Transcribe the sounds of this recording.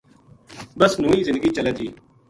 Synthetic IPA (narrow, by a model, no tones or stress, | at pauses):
bəsnũːiːzɪnd̪ɡiːt͡ʃəlɛːt̪ʰiː